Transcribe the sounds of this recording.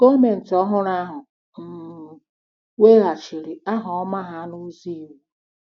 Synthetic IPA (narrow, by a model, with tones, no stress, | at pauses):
ɡo˦me˨n̩˨tɔ˦ɦʊ˦ɾa˦ɦʊ˨ | m̩˨ | we˦ɣa˨t͡ʃi˨ɾi˨a˦ɦʊ˨ɔ˦ma˦ɦa˦nu˦zi˦˨wu˨